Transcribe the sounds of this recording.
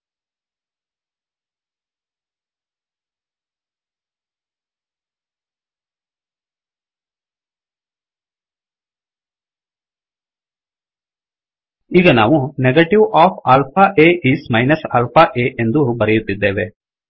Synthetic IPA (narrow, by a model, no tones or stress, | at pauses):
iɡɐnaːʋuneɡɐʈiʋaːpʰaːlpʰaʔeːʔiːsmɐjnɐsaːlpʰaʔeːʔend̪ubɐɾɛjut̪ːid̪ːeːʋe